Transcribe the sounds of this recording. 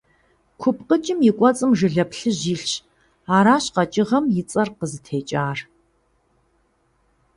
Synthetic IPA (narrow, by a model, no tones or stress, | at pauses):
kʷʰʊpqət͡ʃʼɪmjɪkʷʼɔt͡sʼɨmʒɨɮɐpɬɨʑiːɬɕ | aːɾaːɕqɐt͡ʃʼɪʁɐmjɪt͡sʼɐrqəzɨtʰeːt͡ʃʼaːr